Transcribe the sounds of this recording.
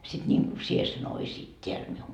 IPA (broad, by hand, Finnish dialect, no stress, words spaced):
sit nʲiŋku sie sen oisiːt tʲeæl miuŋ